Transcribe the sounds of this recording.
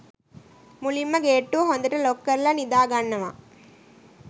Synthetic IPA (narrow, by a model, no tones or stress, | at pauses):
mulimːɐɡeːʈːuɦond̪ɐʈɐlokːɐɾlɐnid̪aːɡaɳːɐʋɐ̰